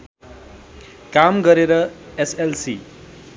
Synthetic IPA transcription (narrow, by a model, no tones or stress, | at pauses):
kamɡʌɾeɾʌeselsḭ